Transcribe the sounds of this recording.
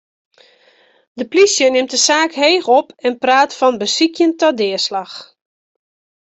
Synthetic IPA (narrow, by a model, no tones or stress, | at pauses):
dəplisjənɪmt̚dəsaːkhejxɔpɛnpraːtfɔnbəsikjəntɔdɪəslax